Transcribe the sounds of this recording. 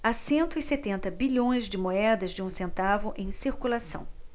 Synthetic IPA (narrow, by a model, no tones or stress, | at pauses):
asẽnt̪ʊɪset̪ẽnt̪ɐbiʎõj̃zd͡ʒɪmoɛd̪ɐzd͡ʒɪũsẽnt̪avʊʔẽj̃siɾkulasɐ̰̃w̃